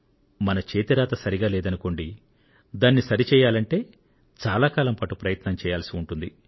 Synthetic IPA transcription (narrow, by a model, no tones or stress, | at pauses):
mɐnɐt͡ʃeːt̪iɾaːt̪ɐsɐɾiɡaːlɛːd̪ɐnuko̞ɳɖi | d̪aːnːisɐɾit͡ʃɛːjaːlɐɳʈe̞ː | t͡ʃaːlaːkaːlɐmpɐʈupɾɐjɐt̪nɐmt͡ʃɛːjaːlɐsiuɳʈund̪i